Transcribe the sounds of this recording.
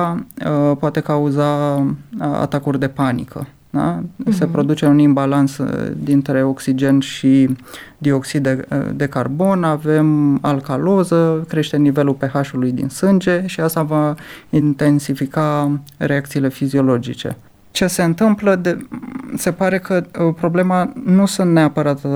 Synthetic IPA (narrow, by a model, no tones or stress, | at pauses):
apoat̪e̞kauza | a̰t̪akurʲd̪e̞panḭkə̰ | d̪a̰se̞pɾo̞d̪ut͡ʃe̞unimbalant̪sd̪int̪ɾe̞o̞ksid͡ʒe̞nʃid̪io̞ksid̪d̪e̞karbo̞nave̞malkalo̞zəkɾe̞ʃt̪e̞nive̞lulpe̞haʃulujd̪ḭnsɨnd͡ʒe̞ʃiast̪avaint̪e̞nsifikare̞ak̚t̪siːle̞fizio̞lo̞d͡ʒḭt͡ʃe̞̰ | t͡ʃe̞se̞ɨnt̪ɨmpləd̪ese̞paɾe̞kəpɾo̞ble̞manusunt̪ne̞apəɾat̪